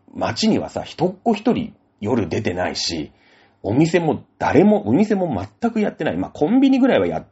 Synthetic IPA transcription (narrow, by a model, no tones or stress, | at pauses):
ma̰t͡ɕiɲ̟iβa̰sa̰çi̥t̪o̞kːo̞çʲi̥t̪o̞ɾʲḭ | jo̞ɾɯ̟d̪e̞t̪e̞na̰ḭɕḭ | o̞mʲise̞mo̞d̪̥aɾe̞mo̞ʔomʲise̞mo̞mat̪ːakɯ̟jat̪ːe̞naḭma̰kʰõ̞mbʲiɲ̟iɡɯ̟ɾaiβaja̰t̪ː